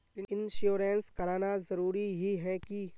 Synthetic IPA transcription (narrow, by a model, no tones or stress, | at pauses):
ɪnʃoːɾenskɐɾaːnazɐɾuːɾiɦiɦɛki